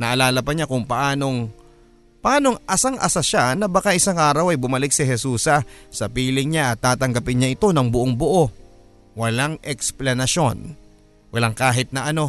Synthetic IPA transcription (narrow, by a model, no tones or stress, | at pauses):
nɐʔɐlaːlɐpɐɲakʊŋpɐʔaːno̞ŋ | pɐʔaːno̞ŋʔɐsaŋʔɐ̰saʃanɐbɐkaʔɪsaŋʔaːɾɐwɐjbʊmɐlɪk̚sɪɦɛsuːsɐsɐpiːlɪŋɲaʔɐt̪ːaːt̪ɐŋɡɐpɪnɲaʔɪt̪o̞nɐŋbʊʔoŋbʊʔo̞ | wɐlaŋʔɛksplɐnɐʃo̞n | wɐlaŋkaːɦɪt̪̚nɐʔɐno̞